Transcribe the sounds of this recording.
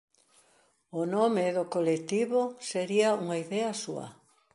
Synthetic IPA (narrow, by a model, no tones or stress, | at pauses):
ʊnomeðʊkolet̪iβoseɾiɐuŋaiðɛɐsuɐ̰